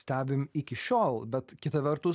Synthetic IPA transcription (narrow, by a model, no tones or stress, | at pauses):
sʲt̪ʲæːbʲɪmɪkʲɪʃʲoːlˠbʲɛt̪kʲɪt̪ɐʋʲɛɾt̪ʊ